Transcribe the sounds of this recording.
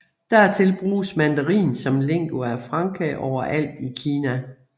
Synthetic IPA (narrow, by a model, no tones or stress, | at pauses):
d̥æɐt͡sʰe̝lb̥ʁuːsmænd̥əʁḭːnsɒ̽mleŋ̰ɡ̥uæfʁɑ̈ŋkʰɛʔɒʊ̰ɐʔæl̰d̥ikʰiːnæ